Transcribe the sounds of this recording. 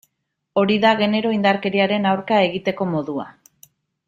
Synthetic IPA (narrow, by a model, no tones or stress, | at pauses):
o̞ɾiðaɣe̞ne̞ɾo̞ind̪aɾke̞ɾiaɾe̞nawɾkae̞ɣit̪e̞ko̞mo̞ðua̰